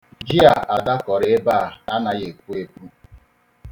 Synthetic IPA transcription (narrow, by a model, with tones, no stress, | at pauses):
d͡ʒi˦a˨a˨da˦kɔ˨ɾɪ˦e˦ba˦˨a˦na˨ɣe˨k̚ʷu˦e˦pu˦